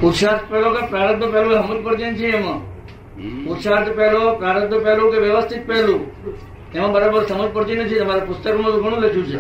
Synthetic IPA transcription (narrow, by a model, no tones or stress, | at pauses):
ʊt̪ʃaːɾt̪ʰpɛɦlokepɾaːɾət̪̚bjəpɛɦloɦɐməlpəɽt̪ent͡ʃʰĩemã | ʊt̪ʃaːɾt̪ʰpɛɦlopɾaːɾət̪̚jəpɛɦlokeʋjəʋəst̪ʰɪt̪̚pɛɦlũ | emãbəɾaːbəɾsɐməlpəɽt̪inət͡ʃʰĩɐmaːɾapʊst̪əkmãɾʊkʰəɽ̃ũlekʰũt͡ʃʰe